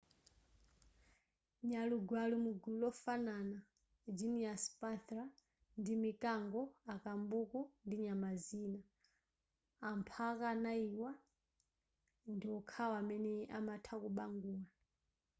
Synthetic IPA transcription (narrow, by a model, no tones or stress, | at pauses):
ɲaluɡwalumuɡulɔfanana | d͡ʒiniaspatɾa | ndimikaŋɡɔakambukɔndiɲamazina | ampʰakanaiwa | ndiwɔkʰawamɛnɛamatʰakuɓaŋɡuːla